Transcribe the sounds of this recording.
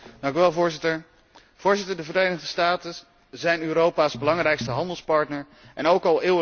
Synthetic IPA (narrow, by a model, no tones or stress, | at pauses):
dɑŋkyʋɛlˠvʊːɹzɪtəɹ | v̥ʊːɹzɪtəɹdəvəɾejnəχdəstaːtə | zɛjnøːɾowpaːzbəlɑŋrɛjkstəɦɑndəlˠspɑɹtnəɹ | ʔɛnowkɑlˠɪːə